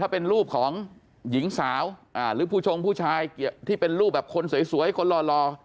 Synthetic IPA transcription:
t̪ʰaː˥˩pe˧nɾuː˥˩p̚kʰɔː˩˦ŋ | ji˩˦ŋsaː˩˦wʔaː˧˩ɾɯː˩˦pʰuː˥˩t͡ɕʰo˧ŋpʰuː˥˩t͡ɕʰaː˧jt̪ʰiː˥˩pe˧nɾuː˥˩p̚bɛː˨˩p̚kʰo˧nsu˨˩˦jsu˩˦˥kʰo˧nlɔː˧lɔː˧

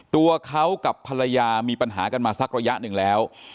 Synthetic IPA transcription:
t̪u˧ɐkʰa˦˥wka˨˩pʰːa˧ɾa˧jaː˧miː˧pa˧nɦa̰ː˩˦ka˧nmaː˧sa˦˥k̚ɾa˧ja˦˥ʔnɯ˨˩ŋlɛː˦˥w

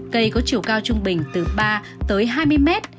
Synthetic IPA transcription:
kə˧jkɔ˨˦t͡ɕi˧˩əwkaː˧wt͡ɕʊ˧ŋ͡mɓï˨˩ŋ̟t̪ɨ˨˩ɓaː˧ | t̪əː˨˦jɦaː˧jmɨ˧əjmɛ˦˥t̚

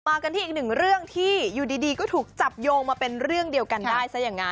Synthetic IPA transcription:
maː˧ka˧nt̪ʰiː˥˩˨k̚nɯ˨˩ŋɾɯ˥˩əŋt̪ʰiː˥˩juː˨˩diː˧diː˧kɔː˥˩t̪ʰuː˨˩k̚t͡ɕa˨˩p̚joː˧ŋmaː˧pe˧nɾɯ˥˩əŋdi˧əwka˧ndaː˥˩jsa˦˥jaː˨˩ŋːa˦˥

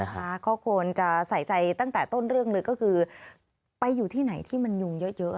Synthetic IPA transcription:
kʰa˦˥˩kʰɔː˦˥kʰu˧ənt͡ɕa˨˩ʔsa˨˩˦jt͡ɕa˧jt̪a˥˩ŋt̪ɛː˨˩t̪o˥˩nɾɯ˥˩əŋlɤː˧jkɔː˥˩kʰɯː˧ | pa˧jːuː˨˩t̪ʰiː˥˩na˩˦jt̪ʰiː˥˩ma˧nju˧ŋjɤ˦˥jɤ˦˥ʔ

